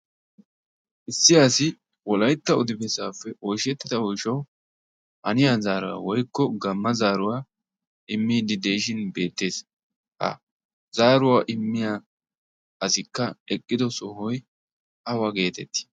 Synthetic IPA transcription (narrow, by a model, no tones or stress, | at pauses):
ʔɪsːɪjaːsɪ | wɔlɐjt̪ːɐʊd̪ɪbɛsaːfːɛʔɔjʃɛt̪ːɪd̪ɐɔjʃɐw | ʔɐnɪjazaːɾɐa̰wɔjkːɔɡɐmːɐzaːɾʊwa | ʔɪmːiːd̪ɪd̪eːʃ̬ɪnbe̞ːt̪ːe̞ːs | hɐ̰ | zaːɾʊwaʔɪmːɪja | ɐsɪkːɐɛkʼːɪd̪ɔsɔhɔj | ʔɐwaɡe̞ːt̪ɛt̪ːɪ̥